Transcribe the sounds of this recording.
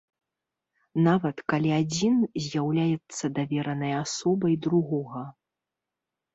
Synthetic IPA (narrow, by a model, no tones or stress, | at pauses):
navɐt̪kalʲiad͡zʲinzʲjawlʲajɛt̪sːɐd̪avʲɛɾɐnɐjɐasɔbɐjd̪ɾuɣɔɣɐ